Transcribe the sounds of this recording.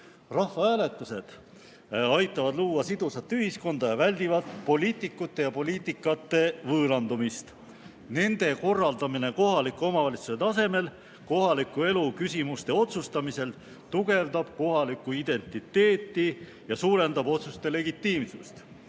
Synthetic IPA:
rɑhvɑhæːlet̪ːˑuse̞d̪̥ | ɑjt̪ˑːɑvɑd̪luːwɑsid̪̥usɑt̪ːˑyhisko̞nd̪̥ɑjɑvælʲd̪̥ivɑt̪po̞lʲiːt̪ːˑikːˑut̪ˑːe̞jɑpo̞lʲiːt̪ːˑikːˑɑt̪ːe̞vɤːlɑnd̪umist̪ | ne̞nd̪̥e̞ko̞rːɑld̪ɑmine̞ko̞ɦɑlikːˑuo̞mɑvɑlʲit̪su̥set̪ɑse̞me̞l | ko̞ɦɑlikːˑue̞lukysʲimust̪e̞o̞t̪sust̪ɑmise̞l | t̪uɡe̞vd̪ɑb̥ko̞hɑlikːˑuid̪̥e̞nt̪ˑit̪ːe̞ːt̪ːˑi | jɑsuːɾe̞nd̪̥ɑbo̞t̪sust̪e̞le̞ɡit̪ːˑiːmsṵst̪

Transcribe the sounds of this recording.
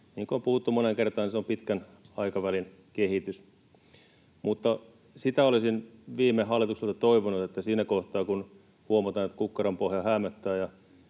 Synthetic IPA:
niːŋkoompuhut̪ːumoneŋkert̪ɑːniseompit̪kænɑikɑʋælin | kehit̪ys | mut̪ːɑ | sit̪æolisinʋiːmːeɦɑlːˑit̪ukselt̪ɑt̪oiʋonut̪et̪ːæsiːnækoht̪ɑːkun | huomɑt̪ɑːnet̪kukːɑrɑmpohjɑhæmːæt̪ːæːjɑ

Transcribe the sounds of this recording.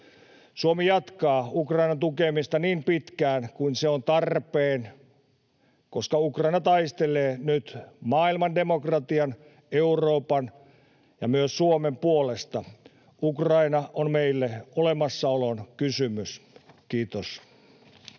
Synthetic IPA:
suomijɑt̪kɑːukrɑinɑnt̪ukemist̪ɑniːmpit̪kæːnkuinseont̪ɑrpeːn | koskɑukrɑinɑt̪ɑist̪eleːnyt̪mɑːilmɑndemokrɑt̪iɑn | euroːpɑn | jɑ̰myøssuomempuolest̪ɑ | ukrɑinɑʔonmeilːeolemɑsːɑolonkysymyskiːt̪os

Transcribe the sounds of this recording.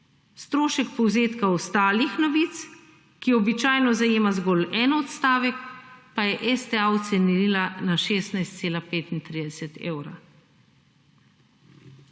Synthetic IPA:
st̪ɾoːʃɛkpɔwzeːt̪kaɔst̪aːlixnɔʋiːt̪s | kiɔbit͡ʃaːjnɔzajeːmazɡɔːlɛːnɔt̪st̪aːʋɛkpajɛʔɛst̪ɛawɔt̪sɛniɾiːlanaʃeːst̪najst̪seːlapeːt̪int̪ɾid̪ɛsɛt̪ʰḛːwɾa̰

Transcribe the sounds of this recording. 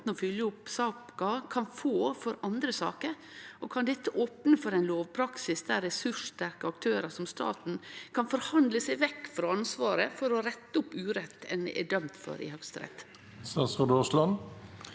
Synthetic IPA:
n̩ɔfʏljəʊpsɑːpkɑkʰɑnfoːfɔɾɑnd̪ɾəsɑ̰ːkəɾ | ʔɔkʰɑnd̪ɛt̪ːəʔoːpnəfɔɾæɪnloːʋpʰɾɑksɪsd̪æɾɛsʉʂt̪æɾkəɑkt̪ʰøːɾəsɔmst̪ɑ̰ːt̪n̩kʰɑnfɔɾhɑnd̪ləsæɪʋɛkːfɾɑɑnsʋɑːɾəfɔɾɔɾɛt̪ːəʊpːʉːɾɛt̪ːɛ̰nd̪ɛ̰ʔæɖœmt̪fɔ̰ɾɪ̰hœkst̪ɾɛ̰t̪ː | sɑsʁɑd̪ɔslɑn

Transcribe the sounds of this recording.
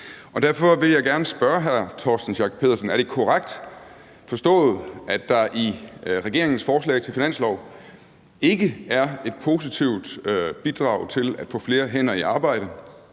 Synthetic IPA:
ʔɒ̽d̥æɐ̰fɒ̽ʋe̝ljɑɪɡ̥æɐnəsb̥ɶɐɦæɐt͡sʰɒ̰ːsd̥n̩ɕɑ̈ːɡ̥̚pʰe̝ðˠɐsənæɐɾ̥e̝kʰɒʁaɡ̥̚d̥ | fɒ̽sd̥ɔ̰̽ːð̩ˠʔædd̥ɑ̈ʔiʁɛɡ̥e̝ɐ̰eŋn̩sfɒːslɛ̰ɪt͡sʰe̝lfinæn̰slɒʊ | e̝ɡ̥əæɐe̝d̥̚pʰo̝ːsit͡sʰiʊ̰d̥b̥id̥ʁɑ̰̈ʊt͡sʰe̝læd̥fɔ̰̽ːfle̝ːɐɦen̰ɐiʔɑ̈ːb̥ɑ̈ɪ̰ɾ̥ə

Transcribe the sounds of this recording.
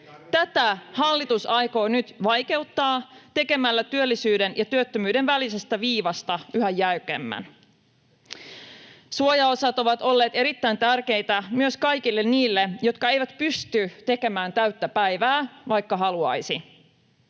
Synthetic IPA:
t̪æt̪æhɑlːit̪usɑjko̞ːnyt̪ʋɑjke̞wt̪ːɑːt̪e̞ke̞mælːæt̪yølːisyːde̞njʔɑt̪yøt̪ːømyːdenʋælise̞st̪æʋiːʋɑst̪ɑyɦæjːæykemːæ̰n | suojɑosɑt̪o̞ʋɑt̪o̞lːe̞ːt̪eɾit̪ːæjnt̪ærk̟e̞jt̪æmyøskɑjk̟ilːe̞nniːlːejo̞t̪kɑe̞jʋæt̪pyst̪yt̪e̞ke̞mæːnt̪æɥt̪ːæpæjʋæːʋɑjkːɑɦɑluɑ̰jsi

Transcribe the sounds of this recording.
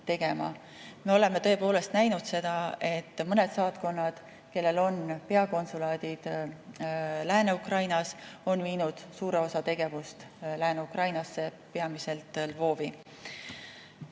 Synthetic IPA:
t̪e̞ɡ̥e̞mɑ̰ | me̞o̞le̞met̪ɤ̞e̞po̞ːle̞st̪næjnud̪̥se̞d̪̥ɑe̞t̪ːmɤne̞d̪sɑːt̪ko̞nːɑd̪̥ | ke̞lːe̞lo̞npe̞ɑko̞nsulɑːd̪̥id̪̥ | læːne̞ukrɑjnɑso̞nviːnud̪̥suːɾe̞o̞sɑt̪e̞ɡ̥e̞vust̪ | læːneukrɑjnɑsːe̞pe̞ɑmise̞lt̪ˑlvo̞ːvi

